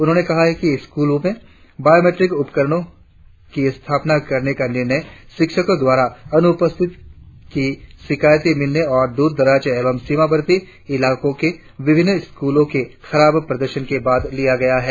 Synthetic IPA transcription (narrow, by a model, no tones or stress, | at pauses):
ʊnɦõːnekɐɦaɦɛkiɪskuːlõmẽ | baːjoːmeːʈɾɪkʊpkəɾəɽ̃õ | kiɪst̪ʰaːpnakɐɾnekanɪɾnəjʃɪkʃəkõd̪waːɾaɐnʊpəst̪ʰɪt̪kiʃɪkaːjət̪emɪlneɔːɾd̪uːɾd̪ɐɾaːt͡ʃeːʋəmsimabəɾt̪i | ɪlaːkõke | ʋɪbʱɪnːɪskuːlõkexɐɾaːbpɾɐd̪əɾʃənkebaːd̪lijaɡɐjaɦɛː